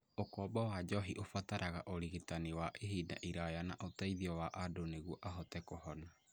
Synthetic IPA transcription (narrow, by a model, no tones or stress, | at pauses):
okɔbɔwad͡ʒɔɦiʔofataɾʔaɣaʔoɾiɣitaniwaʔeɦida̰ʔiɾajanaʔotaiðiɔwaʔadoneɣuɔʔaɦɔtɛkɔɦɔna